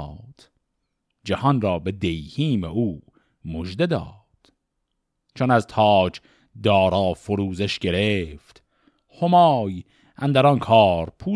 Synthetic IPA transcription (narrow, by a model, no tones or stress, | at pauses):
d̪̥ | d͡ʒæhɒnɾɒːbe̞d̪ejhiːmeuː | moʒd̪ed̪ɒ̰ː | d̪̥ | t͡ʃʰonæzt̪ʰɒːd͡ʒ | d̪ɒːɾɒːfoɾuːzeʃɡe̞ɾeft̪ | homɒːj | ʔænd̪æɾɒnkʰɒːɾpʰuː